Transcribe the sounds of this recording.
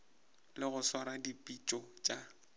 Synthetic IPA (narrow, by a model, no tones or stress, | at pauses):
lɪɣʊsaɾadipʼit͡ʃʼɔt͡ʃʼa